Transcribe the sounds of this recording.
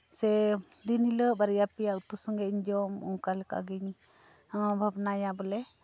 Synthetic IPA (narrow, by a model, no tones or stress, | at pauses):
sɛ | d̪iniləbaɾjapijaʔut̪usɔŋɡɛɲd͡ʒɔmũkalɛka̰ɡiɲ | bʱabnajabɔlɛ